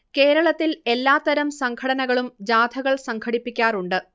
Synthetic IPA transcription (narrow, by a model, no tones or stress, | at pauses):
ke̞ːɾɐɭɐt̪ːile̞lːaːt̪ːɐɾɐmsɐŋkʰɐɽɐnɐɣɐɭumd͡ʑaːd̪ʱʰɐɣɐɭsɐŋkʰɐɽipːikʲːaːruɳɖɨ